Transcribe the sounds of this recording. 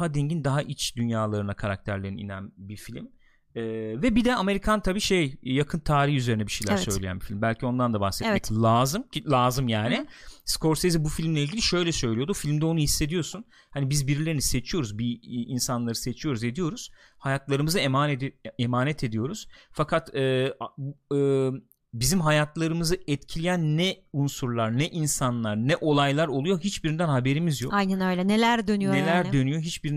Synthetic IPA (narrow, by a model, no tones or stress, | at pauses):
ɦad̪eɲɟind̪aɦaʔit͡ʃd̪ynjaːlˠaɾɯnakʰaɾak̚t̪ʰæɾlʲeniḭnæ̰nbifilʲim | ɛːvɛbid̪ɛame̞ɾikʰant̪ʰabiːʃejjakʰɯnt̪ʰaːɾihyzeɾinɛbiʃejlʲæɾsø̞jjlʲejæ̰nbifilʲimbælʲcʰio̞nd̪and̪abasɛt̪ɛclʲˠaːzɯmlʲˠaːzɯmjaːnɪsko̞ɾsezibufilʲmlʲɛiɟʲilʲiʃø̞jlʲɛsø̞jlʲijo̞d̪ufilʲmd̪ɛonuhisːe̞d̪ijo̞sun | hanibizbiɾilʲe̞ɾinise̞t͡ʃʰijo̞ɾuzbiinsanlˠaɾɯse̞t͡ʃʰijo̞ɾuze̞d̪ijo̞ɾuz̥ | hajat̪lˠaɾɯmɯzɯemanɛd̪emaːnɛt̪ʰe̞d̪ijo̞ɾuz̥fakʰat̪ɛː | ɯː | bizimɦajat̪ʰlˠaɾɯmɯzɯɛt̪cʰilʲijænːɛunsuɾlˠaɾnɛʔinsanlˠaɾnɛʔo̞lˠajlˠaɾo̞lˠujo̞ɦit͡ʃbiɾind̪ænhabe̞ɾimizjokajnɛnøjlʲɛnelʲæɾd̪ønynoelʲæɾd̪ø̞nyjo̞ɦit͡ʃbiɾin